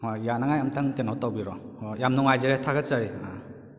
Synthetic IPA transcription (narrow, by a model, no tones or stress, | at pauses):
hɔjanaŋajamtʰaŋkenɔtawbiɾɔhɔjamnɔŋajzeɾetʰaɡat͡ʃaɾia̰